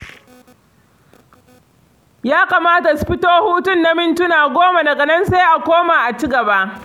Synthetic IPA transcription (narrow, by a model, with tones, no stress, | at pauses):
jaː˦kaː˨maː˦ta˨sʊ̥˨ɸɪ˦toː˦huː˦tʊ˦˨nːa˦mɪ˦ntʊ˦naː˨ɡʷoː˦ma˨dɐ˨ɡɐ˨nɐ˦nsa˦jʔa˨kʷoː˦ma˨ʔa˨t͡ʃi˦ɡɐ˨ba˦ʔ